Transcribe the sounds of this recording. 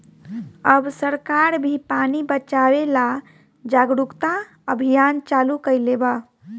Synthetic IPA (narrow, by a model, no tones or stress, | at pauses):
əbsəɾkaɾbʱipanibət͡ʃawela | d͡ʒaɡɾukt̪a | əbʱijant͡ʃalukəjleba